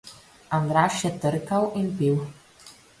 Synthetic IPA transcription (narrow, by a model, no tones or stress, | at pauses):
and̪ɾaːʃjɛt̪əɾkawinpiw